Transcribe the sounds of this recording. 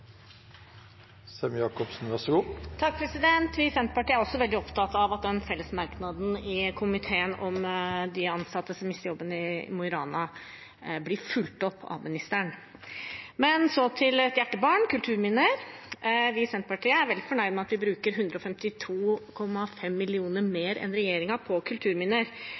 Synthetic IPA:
sɛmjɑːkɔpsnʋæɾʂɔɡuːt̪ʰɑk̚pʰɾɛsɪd̪ɛnt̪ʋɪsɛnt̪pɑʈiːəæɾɔsːɔʋɛld̪ɪɔpt̪ɑt̪ɑʋɑt̪̚d̪ɛnfɛlːəsmɑɾknɑd̪n̩ɪkʰʊmɪt̪ʰeːənɔmd̪ɪɑnsɑt̪ːəsɔmɪst̪əɾjɔbːənɪmʊɪɾɑːnɑ | blɪɾfʉlt̪ɔpʰːɑ̰ʋmɪnɪst̪əɳ | mɛnsɔt̪ʰɪlɛt̪jæʈːəbɑːɳkʉlt̪ʰʉːɾmɪnəɾ | ʋɪsɛnt̪̚pɑʈiːəæɾʋɛld̪ɪfɔɳæɪd̪mɛɑt̪ʋɪbɾʉːkəɾɦʉnd̪ɾəɔfɛmt̪ɪt̪ʰuːkʰɔmːɑfɛmːɪlɪuːnəɾmeːɾɛ̰nɾɛjeːɾɪŋɑpʰɔkʰʉlt̪ʰʉːɾmɪnəɾ

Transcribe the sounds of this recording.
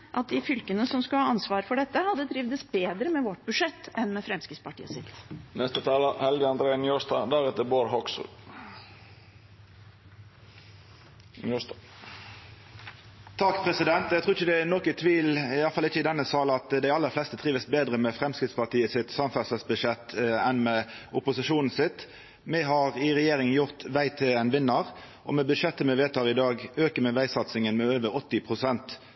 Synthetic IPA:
ʔɑt̪̚d̪ɪfʏlkənəsɔmskʉhɑːɑnsʋɑːɾfɔɖɛt̪ːəhɑd̪ːəd̪ɾɪʋd̪əsbeːd̪ɾəmɛʋɔʈ̚bʉʂɛt̪ːɛnmɛfɾɛmskɾɪt̪spɑʈʰḭːə̰sɪt̪nɛst̪ət̪ʰɑːləhɛlɡəɑnd̪ɾeːənjɔst̪ɑd̪æɾɛt̪əboːɾɦɔksə̰ | nj | t̪ʰɑkpʰʁɛsɪd̪ɛnt̪æɡt̪ʰːɪçəd̪ɛænɔkət̪ʰʋiːlɪjɑlfɑlɪçəɪd̪ɛnːəsɑːl̩ɑt̪d̪æɪɑlːəʁflɛst̪ət̪ʰʁiːʋəsbeːd̪ʁəmɛfʁɛmskɾɪt̪spɑʁt̪ʰiːəsɪt̪sɑmfæsəsbʉʃɛt̪ːɛnmɛʊpʊsɪʂuːnn̩sɪt̪ | mɛɦɑʁɪʁɛjeːɾɪŋənjʊʁt̪ʋæɪt̪ʰɪlɛnʋɪnːəʁ | ʔɔmɛbʉd̪ʃɛt̪ːəmɛʋeːt̪ʰɑːʁɪd̪ɑːɡøːkəmɛʋæɪsɑt̪sɪŋənmɛøːʋəɾɔt̪ːɪpʰʁʊsɛnt̪

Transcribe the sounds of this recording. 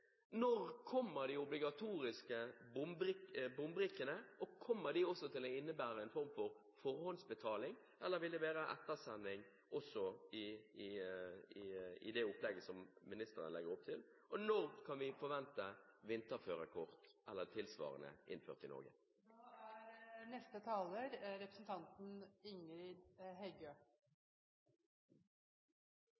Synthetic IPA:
nɔʁkʰɔmːəɾd̪ɪʊblɪɡɑt̪ʰuːɾɪskəbʊmbɾɪbʊmbɾɪkːənəɔkʰɔmːəɾd̪ɪɔsːɔt̪ʰɪloɪnːəbæːɾəɛnfɔɾmfɔɾ | fɔɾhɔnsbət̪ʰɑːlɪŋ | ʔɛlːəɾʋɪld̪ɛʋeːɾəʔɛ̰t̪ːəsɛnːɪŋ | ʔɔsɔɪɪɪɪ̰d̪ɛʊpːlɛɡːəsɔmmɪnɪst̪əɾənlɛɡəɾʊp̚t̪ʰɪl | ʔɔnɔʁkʰɑnʋɪfɔɾʋɛnt̪əʋɪnt̪əʁføːɾəkʰɔʁt̪ʔɛlːət̪ʰɪlsʋɑ̰ːʁə̰nə̰ʔɪ̰nfø̰ːʁt̪ɪnɔ̰ɾɡə̰ | æɾnɛst̪ət̪ʰɑːləɾɾɛpɾəsn̩t̪ʰɑnt̪n̩ɪŋɾɪd̪hɛɪɡøː

